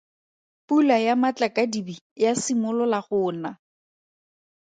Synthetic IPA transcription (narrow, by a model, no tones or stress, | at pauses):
pulajamat͡ɬakadibijasimʊlʊlaχʊːna